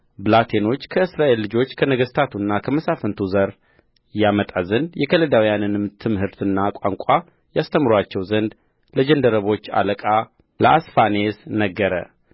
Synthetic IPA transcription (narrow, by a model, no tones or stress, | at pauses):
blat̪ʰeno̞t͡ʃːkʰəɨsɾaʔe̞lːɨd͡ʒo̞t͡ʃːkʰənəɡəst̪ʰat̪ʰunːakʰəməsafənt̪ʰuzəɾ | jamət̪ʼazənd̪jɛkʰələd̪awijanɨnmɨt̪ʰːɨmhɨɾt̪ʰɨnːakʷʼaŋkʼa | jast̪ʰəmɾwat͡ʃːɛwzənd̪ | ləd͡ʒənd̪əɾəβo̞t͡ʃːa̰ləkʼa | ləʔasfane̞snəɡːəɾə̰